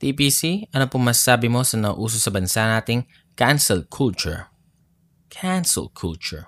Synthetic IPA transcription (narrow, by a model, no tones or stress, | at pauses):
t̪ipiːsiɐnopʊŋmasaːbɪmo̞sɐnɐ̰ʔuːs̬osɐbɐnsaʔnaːt̪ɪŋ | kansɛlkʰult͡ʃʊ̰ɹ | kʰansɛ̰lkʰult͡ʃʊɹ